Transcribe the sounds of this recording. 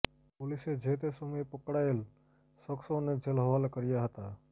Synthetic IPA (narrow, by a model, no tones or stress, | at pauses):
pʊlɪsed͡ʒʱeːt̪esumepəkɽaːel | səksõned͡ʒelɦəʋaːlkəɾɪjaɦət̪a